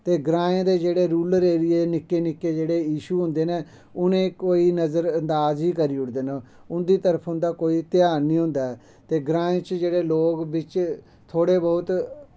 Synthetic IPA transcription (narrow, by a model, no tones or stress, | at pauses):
t̪eːɡɾãːẽːd̪eːd͡ʒeːɽeːɾuːlɾeːɾɪieːnɪkːeːnɪkːeːd͡ʒeːɽeːiːʃuːɦʊ̃nd̪eːneː | ʊnẽːkoːiːnəzəɾənd̪aːziːkəɾiːʊʈd̪eːna | ʊnd̪iːt̪əɾəpʰɦʊ̃nd̪aːkoːiːt̪ɪjaːɾnĩːɦʊ̃nd̪aːɛː | t̪eːɡɾãːẽːt͡ʃd͡ʒeːɽeːloːɡbɪt͡ʃ | t̪ʰoːɽeːbɔːʊt̪